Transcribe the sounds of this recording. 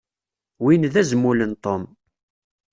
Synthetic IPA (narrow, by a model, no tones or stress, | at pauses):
winðæzəmːulənt̪ˤom